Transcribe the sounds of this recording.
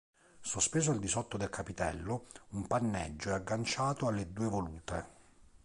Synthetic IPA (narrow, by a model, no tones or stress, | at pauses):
sospeːzoald̪isɔt̪ːod̪elkʰapit̪ɛ̰lːoumpanːɛ̰d͡ʒːoɛaɡːant͡ʃaːt̪oalːed̪uːevoluːt̪e